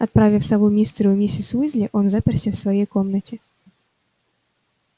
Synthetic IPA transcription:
ɐt̪̚pɾavʲɪfsɐvumʲist̪ɾʲʊmʲesʲɪsvuzʲlʲɪʔo̞nzapʲɪrsʲəfsvɐjejko̞mnətʲɪ

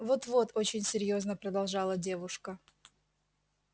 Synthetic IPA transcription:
vo̞t̪vo̞t̪ʰo̞t͡ɕɪnʲsʲɪɾʲjo̞znəpɾəd̪ɐlˠʐɑlˠədʲe̞vʊʂkə

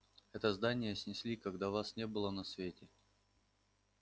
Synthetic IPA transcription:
ɛt̪əzd̪anʲɪjəsʲnʲɪsʲlʲikɐɡd̪avasnʲe̞bɨlˠənɐsvʲetʲɪ

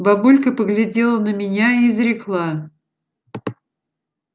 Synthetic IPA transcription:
bɐbulʲkəpəɡlʲɪdʲelˠənəmʲɪnʲaiːzɾʲɪklˠa

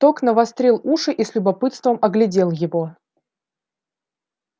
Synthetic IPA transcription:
t̪oknəvɐst̪ɾʲilˠuʂɨʔislʲʊbɐpɨt̪st̪vəmɐɡlʲɪdʲe̞lˠjɪvo̞

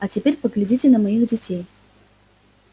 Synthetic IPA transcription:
ɐt͡sʲɪpʲeɾʲpəɡlʲɪd͡zʲit͡sʲɪnɐmɐjiɣd͡zʲɪt͡sʲej

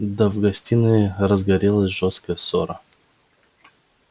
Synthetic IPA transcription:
d̪ɐvɡɐsʲt̪ʲinɨɾɐzɡɐɾʲelˠɐsʲʒɔskɐjəsɔɾɐ

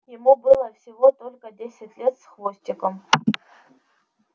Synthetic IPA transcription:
jɪmubɨlˠɐfsʲivot̪olʲkədʲesʲɪtʲlʲet̪sχvosʲtʲikʼom

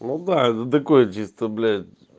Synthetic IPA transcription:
nod̪ad̪ɐkoɛt͡ʃist̪əblʲɛ

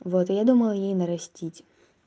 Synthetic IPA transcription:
vot̪ɪjad̪umɐlˠjejnɐɾɐsʲtʲitʲ

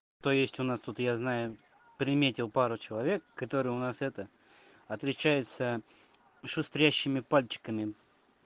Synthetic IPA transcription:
t̪o̞jesʲtʲʊnast̪ut̪jaznajʊ | pɾʲɪmʲetʲɪlˠpaɾʊt͡ɕɪlˠɐvʲe̞kːɐt̪o̞ɾɨjʊnasɛt̪ə | ɐt̪lʲɪt͡ɕæjɪt̪sə | ʂʊst̪ɾʲæɕːɪmʲɪpalʲt͡ɕɪ̥kəmʲɪ

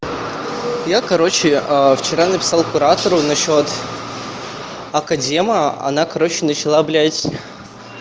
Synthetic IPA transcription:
jakɐɾo̞t͡ɕɪəft͡ɕɪɾanəpʲɪ̥salˠkʊɾat̪əɾʊnɐɕːo̞t̪ | ɐkɐdʲeməɐ̰nakɐɾo̞t͡ɕɪnət͡ɕɪlˠablʲætʲ

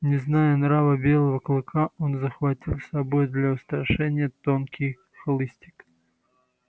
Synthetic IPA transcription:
nʲɪznajənɾavəbʲe̞lˠəvəklˠɨkʰao̞nzəxvɐtʲilˠsɐbo̞jd̪lʲɐʊst̪ɾɐʂɛnʲɪjət̪onkʲɪj | xlˠɨsʲtʲɪ̥k

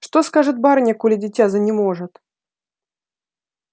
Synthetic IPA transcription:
ʂt̪oskaʐɨt̪̚baɾnʲɐkulʲɪdʲɪtʲazɐnʲɪmoʐɨt̪

